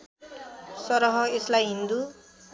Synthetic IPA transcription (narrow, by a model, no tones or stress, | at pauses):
sʌɾʌɦʌeslajɦind̪u